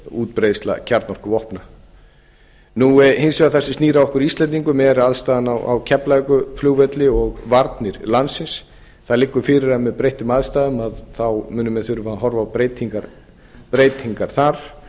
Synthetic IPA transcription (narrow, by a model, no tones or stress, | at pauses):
uːt̪̚pɾejst̪la̰cʰaɾt̪nɔr̥kʏvɔhpna | nuɛhɪnsɛaθɛ̥sːɪst̪niːɾawɔhkʏɾist̪lɛnt̪iŋkʏmɛːðɛɾɪaðst̪aːðanawa̰wcʰɛplakʏfluɣvɛt̪lɪɔɣvaɾt̪nɪɾlansːɪns | θaðlɪkːʏɾfɪːɾɪɾamɛðpɾejht̪ʏmaðst̪aːðʏmaðθawmʏːnʏmɛðθʏɾʏfaːaɦɔɾvapɾeːjt̪iŋkaɾ | pɾeːjt̪hiŋkaɾ̥θaɾ̥